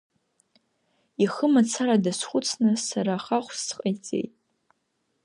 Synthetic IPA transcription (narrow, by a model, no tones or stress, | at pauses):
iχəmat͡sʰaɾadasχʷʊt͡sʰnɨsaɾaːχaχʷssqʼajt͡sʼe̞̰jtʼ